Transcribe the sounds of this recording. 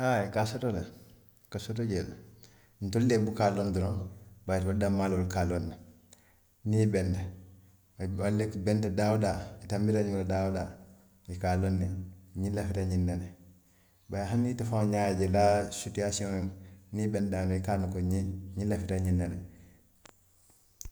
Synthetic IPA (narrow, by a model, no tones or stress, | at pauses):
akasotola | kasotoɟela | ntoldebukalonduɾonbajtbodamalwolkalonːa | nibenda | walːekbentadawudaitambiɾaɲuŋladauda | jikalonːeɲilafitaɲindane | bajɦanitafaɲaɟelasutiasiomnibendanikanukoɲiɲilafitaɲindane